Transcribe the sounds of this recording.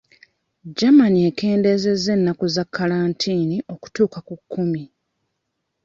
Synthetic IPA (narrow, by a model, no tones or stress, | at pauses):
d͡ʒamanieke̞ːnde̞ze̞ze̞nːakuzakʰːalaːntʰiːniʔo̞ku̥tuːkakukʰːumi